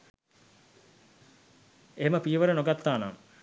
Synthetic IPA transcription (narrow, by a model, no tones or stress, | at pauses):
eɦeməpiːʋəɾənoɡat̪ːaːna̰m